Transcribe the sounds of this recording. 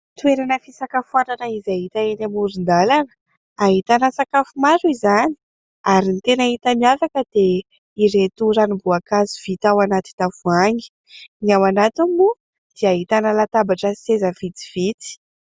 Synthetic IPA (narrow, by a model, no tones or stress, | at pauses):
t̪ueɾanəfisakafuananəizaɦit̪aenamuɾind̪alanə̥ | aɦit̪anasakafumaɾuizani̥ | aɾinit̪enaɦit̪əmiafakəd̪̥e | iɾet̪uɾanibuakaziv̥it̪awanat̪i̥d̪avuaŋi̥ | nawanat̪umu | d̪̥iaɦit̪anəlat̪abaʈ͡ʂəsezəv̥it̪i̥v̥it͡s̪i̥